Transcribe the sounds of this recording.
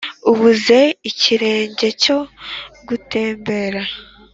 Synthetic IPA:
uβuze̞iciɾe̞ːɲɟe̞co̞ɡute̞ːmbe̞ɾa

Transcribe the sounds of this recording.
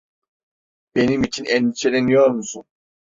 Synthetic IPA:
b̥e̞nimit͡ʃʰinɛnt͡ʃʰelenijoɾmusun

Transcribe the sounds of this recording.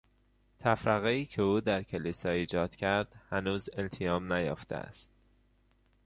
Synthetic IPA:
t̪ʰæfɾæɣeiːcʰeuːd̪æɾcʰelisɒːiːd͡ʒɒːd̪̥cʰæɾd̪̥hænuːzelt̪ʰijɒːmnæjɒ̰ːft̪ḛæ̰st̪̚

